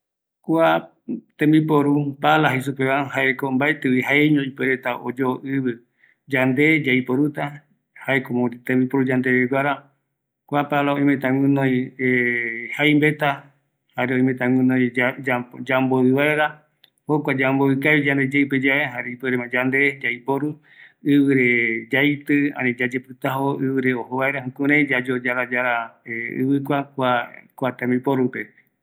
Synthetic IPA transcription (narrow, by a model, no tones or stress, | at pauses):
kʷa | t̪ẽmbipoɾupalaɦas̬upeβahaʔekombaet̪eihaeɲõipeɾet̪aʔo̰d͡ʒoːʔɨβɨ | d͡ʒand̪ed͡ʒaipoɾut̪a | haekomõt̪ẽmbipoɾud͡ʒand̪eɾeɡʷaɾa | kʷapalaoĩmẽt̪ãŋɨ̃nõj̃ehajmbet̪a | haɾeõĩmẽt̪ãŋɨ̃nõjad͡ʒamboɨβaeɾa | hokʷad͡ʒamboɨkaβid͡ʒãnd̪ed͡ʒejped͡ʒaeɦaɾeipeɾemãd͡ʒand̪ed͡ʒaipoɾu | ɨβɨɾed͡ʒajt̪ɨã̰nĩd͡ʒad͡ʒepɨt̪aɦoɨβɨɾeohoβaeɾaɦũkũɾãj̃d͡ʒad͡ʒod͡ʒaɾad͡ʒaɾaeɨ̰βɨk̬ʷakʷakʷat̪ãmbipoɾupe̞